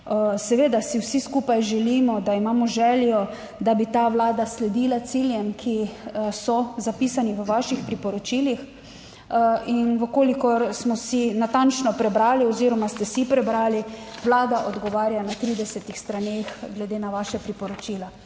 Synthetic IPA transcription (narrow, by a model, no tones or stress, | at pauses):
sɛʋeːd̪asiwsiskuːpajʒɛlimɔd̪aimaːmɔʒɛljɔ | d̪abit̪aːʋlaːd̪aslɛd̪iːlat̪siljɛmkʰisɔzapiːsaniʋəʋaʃixpɾipɔɾɔt͡ʃiːlix | ʔinʋəkoːlikɔɾsmɔsinat̪ant͡ʃnɔpɾɛbɾaːliɔziːɾɔmast̪ɛsipɾɛbɾaːliʋlaːd̪aʔɔd̪ɡɔʋaːɾjanat̪ɾiːd̪ɛsɛt̪ixst̪ɾanexɡlɛd̪eːnaʋaʃɛpɾipɔɾɔt͡ʃiːla